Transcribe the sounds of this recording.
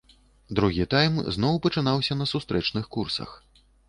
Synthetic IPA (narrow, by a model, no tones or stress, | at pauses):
d̪ɾuɣʲit̪ajmznɔwpɐt͡ʂɨnawsʲɐnɐsust̪ɾɛt͡ʂnɨxkursɐ̰x